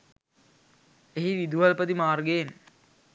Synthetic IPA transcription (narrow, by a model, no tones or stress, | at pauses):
eɦiʋid̪uʋɐlpəd̪imaːrɡen